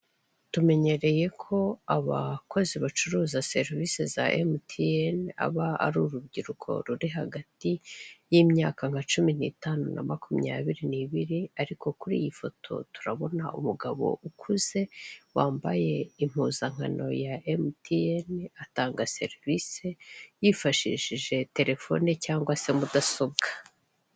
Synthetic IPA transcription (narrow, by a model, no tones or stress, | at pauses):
tume̞ɲe̞ɾe̞je̞kʰo̞aβako̞ziβat͡ʃuɾuːzase̞ɾvise̞za̰ʔemtʰiena̰βaa̰ɾuːɾubɟiɾukʰo̞̰ɾuɾiɦaɡatijiːmɲaːkaŋ̥hat͡ʃuminiːtaːnuna̰makumɲa̰βiɾiniβiɾiaɾiko̞kuɾḭːjifo̞tʰo̞̰tu̥ɾaβo̞na̰ʔṵmuɡaβo̞̰ʔukʰuze̞waːmbaje̞im̥uːzaŋ̥ano̞̰jaemtʰienataːŋɡase̞̰ɾvise̞jifaʃḭʒiʒe̞te̞ɾe̞fo̞̰necaːŋɡwase̞mudaso̞b̚ɡḁ